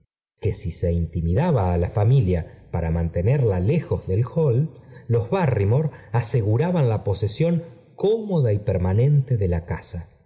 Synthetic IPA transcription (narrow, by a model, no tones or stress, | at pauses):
ke̞sise̞int̪imiðaβaːlafamiljapaɾamant̪e̞neɾlalexo̞zðe̞lxollo̞zβarimo̞ɾase̞ɣuɾaβanlapo̞sesjo̞ŋ | ko̞mo̞ðaipeɾmanẽ̞nt̪eðelakasa